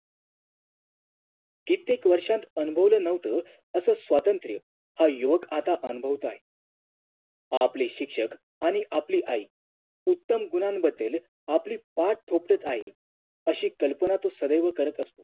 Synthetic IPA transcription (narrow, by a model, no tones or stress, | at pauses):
kit̪ekʋəɾʂãnt̪ənubʱəʋlənəʋt̪ə | əsəːsʋat̪ənt̪ɾjə | hajuʋəkat̪aʔənubʱəʋt̪oaɦe | apliɕikʂək | aɽ̃iʔapliːʔaɦiː | ut̪ːəmɡunanbəd̪ːel | apliːpaʈ̚ʈ̪ʰopʈət̪aɦḭ | əɕiːkəlpənat̪osəd̪əjʋəkəɾət̪əst̪o̥